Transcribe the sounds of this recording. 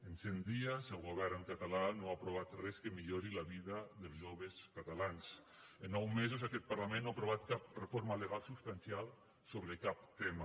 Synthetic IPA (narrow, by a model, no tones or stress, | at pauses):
ənsɛnd̪iazəlˠɣoβɛɾnəŋkat̪alanoapɾoβat̪rɛskəmiʎoɾilaβiðaðəlˠzʒoβeskat̪alans | enːɔwmezozakɛt̪̚paɾlamẽnːoapɾoβat̪kap̚refoɾmaleɣalˠsupst̪ansialˠ | soβɾekap̚t̪ema